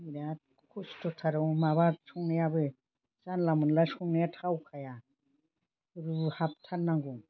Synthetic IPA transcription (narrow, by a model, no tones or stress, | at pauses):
iɾa | kʰustʰɔtʰaɾɯwmaβasɔŋnijabɯ | sanlamunlasɔŋnijatʰawkʰaja | ɾuhap̚tʰanːaŋɡuŋ